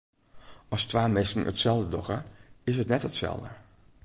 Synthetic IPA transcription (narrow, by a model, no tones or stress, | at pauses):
ʔɔstʋaːmɪsn̩ə̰tsɛlˠdədɔxəɪsətnɛtətsɛ̰lˠdə̰